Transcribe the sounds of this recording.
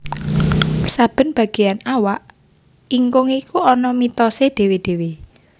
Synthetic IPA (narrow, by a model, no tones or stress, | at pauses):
sab̥ə̤nb̥ä̤ɡ̥e̤anawaʔ | iŋkʊŋikuɔnɔmit̪ɔsed̪̥e̤wed̪̥e̤we